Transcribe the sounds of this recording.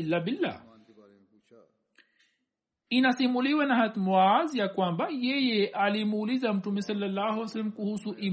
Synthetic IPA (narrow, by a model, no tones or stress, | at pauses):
lːabilːa̰ː | inasimuliwanahat̪muwazijakwambajɛjɛʔalimuːlizam̩tumɛsalːalːahuwsalːam̩kuhusuʔi